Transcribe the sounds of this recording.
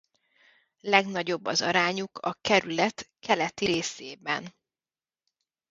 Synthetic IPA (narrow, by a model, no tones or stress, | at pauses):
lɛɡnɒɟo̞bːɒ̰zɒ̰ɾaːɲukʰɒ̰kɛɾylɛt̪kʰɛlɛt̪iɾeːseːbɛ̰n